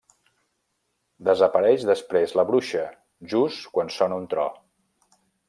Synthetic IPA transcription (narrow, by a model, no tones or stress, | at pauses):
d̪əzəpəɾɛʃðəspɾezləβɾuʃə | ʒuskwansɔnəunt̪ɾɔ̰